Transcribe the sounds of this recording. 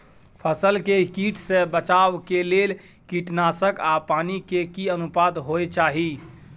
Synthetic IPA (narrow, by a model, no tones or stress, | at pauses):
pʰəsəlkekiʈʰsẽbət͡ʃaʋkelel | kiʈnasəkapanikekiənupad̪ɦojt͡ʃaɦi